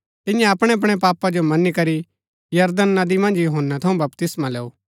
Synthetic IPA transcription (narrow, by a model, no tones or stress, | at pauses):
t̪ɪnjãɐpɽ̃eɐp̬ɽ̃epaːpad͡ʒomɐnikɐɾi | jɐɾd̪ənːɐd̪imɐ̃nd͡ʒjuɦənːat̪ʰɐũbɐpt̪ɪsmalɛːuː